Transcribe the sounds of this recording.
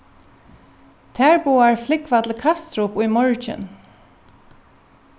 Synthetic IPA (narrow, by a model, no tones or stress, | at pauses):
t̪ʰɛɹbuːaɹflɪkʋat̪ʰlkʰast̪ɾʊpʊjmɔɹt͡ʃɪ̰n